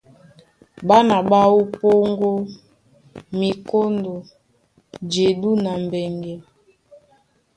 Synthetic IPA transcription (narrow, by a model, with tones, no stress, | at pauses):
ba˦na˨ɓa˦wo˦po˦ŋɡo˦ | mi˨ko˦ndo˨ | d͡ʒe˨du˦na˨m˨bɛ˨ŋɡe˨